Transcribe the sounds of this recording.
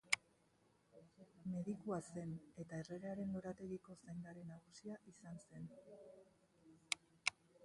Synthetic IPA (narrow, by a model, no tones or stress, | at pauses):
me̞ðikuase̞ne̞t̪aere̞ɾeaɾe̞noɾat̪e̞ɣiko̞sajŋɡaɾe̞naɣ̞usiaʔisanse̞n